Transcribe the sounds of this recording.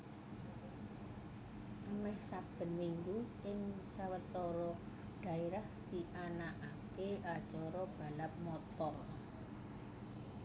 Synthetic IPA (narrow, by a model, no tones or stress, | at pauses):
ʔamɛhsab̥ə̤nmiŋɡuʔɪŋsawət̪ɔɾɔ | ɖ̥a̤eɾahd̪̥iʔanaʔakead̥ʒ̥ɔɾɔb̥a̤lap̚mɔt̪ɔr